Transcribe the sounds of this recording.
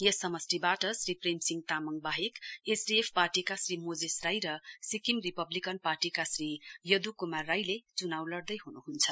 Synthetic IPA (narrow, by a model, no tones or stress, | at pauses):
jʌsʌmʌsribaʈʌsripremsiŋɡt̪amʌŋbaɦekesdiepʰparʈikasrimod͡zesrajɾʌsikimripʌblikʌnparʈikasrijʌd̪ukumarːajlet͡sunawlʌɽd̪ʌjɦunuɦunt͡sʰʌ